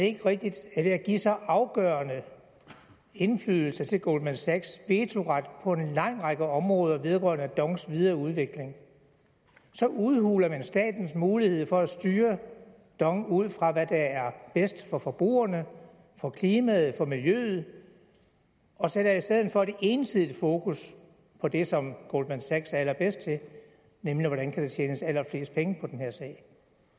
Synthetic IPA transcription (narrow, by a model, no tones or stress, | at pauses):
d̥e̝e̝ɡ̥əʁɛɡ̥̚d̥id̥æʋe̝æɡ̥isɒ̽ʔɑ̈ʊɡ̥œɐnə | e̝nflyðˠl̩sɐt͡sʰe̝lɡ̥o̝̰l̥mænsæɡ̥sʋe̝ːt͡sʰo̝ʁɑd̥pʰɒ̽e̝nlɑ̈ŋ̰ʁɑ̈ɡ̥əɒ̽mʁɔ̽ːð̞ˠɐʋe̝ð̞ˠʁœɐnəd̥ɒ̽ŋsʋið̞ˠɐuð̞ˠʋe̝ɡ̥le̝ŋ | sɒ̽ʔuðˠhuːlɐmænsd̥ɛ̰ːd̥n̩smuːlihe̝ð̞̰ˠfɒ̽æsd̥yːɐ | d̥ɒ̽ŋuð̞̰ˠfʁɑ̈ʋæd̥ææɐb̥esd̥fɒ̽fɒ̽b̥ʁṵːɐnə | fɒ̽kʰliːmɛð̩ˠfɒ̽miljø̰ːð̩ˠ | ɒ̽seɾɐisd̥eð̞̰ˠn̩fɒ̽d̥e̝ʔe̝ːnsið̞ˠifo̝ːkʰus | pʰɒ̽d̥e̝sɒ̽mɡ̥old̥mænsæɡ̥sælɐb̥esd̥̚t͡sʰe̝l | nemliʋɒɾænkʰæɾ̥et͡ɕʰjeːnəsælɐfle̝ːsd̥pʰeŋəpʰɒ̽d̥enhe̝ɐ̰sɛ̰ɪ